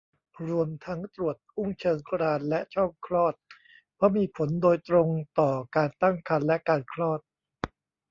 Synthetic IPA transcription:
ɾu˧əmt̪ʰa˦˥ŋt̪ɾu˨˩ət̪̚ʔu˥˩ŋt͡ɕʰɤː˧ŋkʰɾaː˧nlɛ˦˥ʔt͡ɕʰɔ˥˩ŋkʰɾɔː˥˩t̪̚ | pʰɔ˦˥miː˧pʰo˩˦ndoː˧jt̪ɾo˧ŋt̪ɔː˨˩kaː˧nt̪a˥˩ŋkʰa˧nlɛ˦˥ʔkaː˧nkʰɾɔː˥˩t̪̚

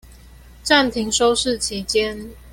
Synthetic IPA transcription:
ʈ͡ʂa˥˨nt̪ʰi˨˥ŋʂo˦ʊʂɻ̩˥˨t͡ɕʰi˨˥t͡ɕjɛ˦n

